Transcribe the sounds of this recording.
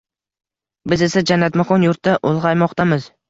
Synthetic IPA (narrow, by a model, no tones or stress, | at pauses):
bɪzɪsad͡ʒanːat̪maqʰɒnjʊɾt̪ːaʔolˠʁɑjmɒqt̪amɪz̥